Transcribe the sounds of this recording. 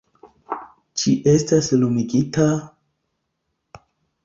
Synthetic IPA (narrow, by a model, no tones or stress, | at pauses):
t͡ʃiʔe̞staslumiɡita